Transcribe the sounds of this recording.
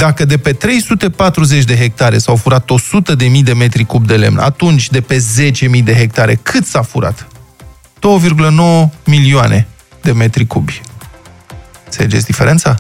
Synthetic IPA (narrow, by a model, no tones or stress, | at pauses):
d̪akəd̪e̞pe̞t̪ɾe̞jsut̪e̞pat̪ɾuze̞t͡ʃʲd̪e̞ɦe̞k̚t̪aɾe̞sawfuɾat̪o̞sut̪əd̪e̞mijd̪e̞me̞t̪ɾikubd̪e̞le̞̰mna̰t̪unt͡ʃʲd̪e̞pe̞ze̞t͡ʃe̞mijd̪e̞ɦe̞k̚t̪aɾe̞kʰɨt̪safuɾa̰t̪ | d̪̥o̞wəvirɡuləno̞wəmilioanʔe̞̰ | d̪e̞me̞t̪ɾikubʲ | seed͡ʒḛsd̪ife̞ɾe̞nt̪sa